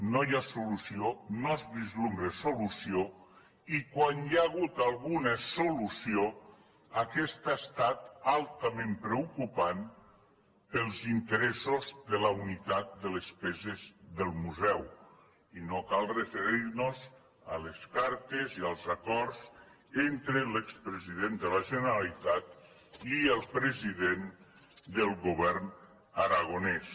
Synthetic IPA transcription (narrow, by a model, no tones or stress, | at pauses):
nojasulusionozβizlumbɾesolusio | ikwanjaːɣ̞ut̪alˠɣunasolusio | akɛst̪ast̪at̪alˠt̪amẽmpɾeukupan | pəlˠzint̪əɾɛsozðəlaunit̪at̪̚d̪əlespɛzezðəlˠmuzɛw | inokalˠrəfəɾiɾnoz | əleskaɾt̪eziəlˠzakɔɾz | ent̪ɾəlekspɾəziðend̪əlaʒənəɾalit̪at̪ | iəlˠpɾəziðen | d̪əlˠɣuβɛrn | əɾaɣonɛs